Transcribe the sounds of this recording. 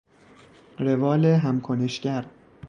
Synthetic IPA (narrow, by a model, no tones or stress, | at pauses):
ɾevɒːleɦæmkʰoneʃɟæɾ